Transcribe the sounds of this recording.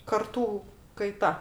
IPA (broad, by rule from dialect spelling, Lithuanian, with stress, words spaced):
kɐrˈtuː kɐɪˈtɐ